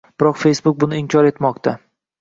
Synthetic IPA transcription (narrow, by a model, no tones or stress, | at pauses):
b̥ɪɾɒqfe̞jsbʊk̚ʲbʊnɪɪmkʲʰɒɾe̞t̪mɒqt̪ʰa